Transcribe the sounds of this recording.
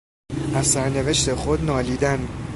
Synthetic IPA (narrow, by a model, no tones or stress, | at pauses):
ʔæzsæɾne̞ve̞ʃt̪e̞xod̪nɒːliːd̪æn